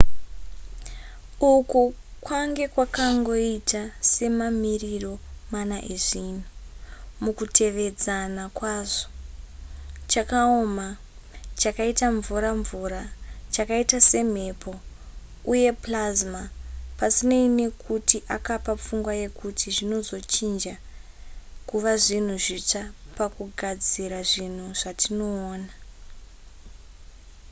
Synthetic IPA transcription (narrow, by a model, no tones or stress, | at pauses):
ukukwaŋɡe̞kwakaŋɡo̞itase̞mamiriro̞manaʔeʐin̤umukutʰe̞ʋe̞d͡zanakwaːʐo̥ | t͡ʃakaoma | t͡ʃakaitaɱvuɾaɱvuɾat͡ʃakaitase̞m̤e̞pʰo̞ | uje̞plazmapasineine̞kʰutiʔakapap͡fuŋɡwaje̞kutʰiʐino̞zo̞t͡ʃind͡ʒa | kuʋaʐin̤uʐit͡ʂapakuɡʱad͡ziɾaʐin̤uʐ̥atino̞ːna